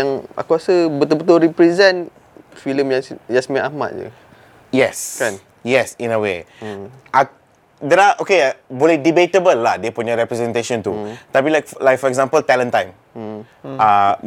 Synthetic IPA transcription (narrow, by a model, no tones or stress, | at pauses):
jãŋa̰kuɾasəbət̪ulbət̪ʊlɾipɾɛzɛ̃n | filəmjajasmĩʔahma̰ʔ̚d͡ʒə̰ | jɛsn | jɛsĩnəwe | ʔa | dɛɾaʔokeaboledibetəbəlːahdepuɲaɾɛpɾɛzɛ̃nt̪eʃɔ̃nt̪ut̪apilajk̚lajk̚fɔɾɛkɡzãmpəlt̪ɛlə̃ntãjm | a